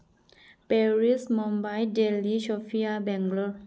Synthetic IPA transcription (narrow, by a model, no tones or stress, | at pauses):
pɛɹismɔ̃mbajdeliʃɔfiabɛ̃ŋɡlə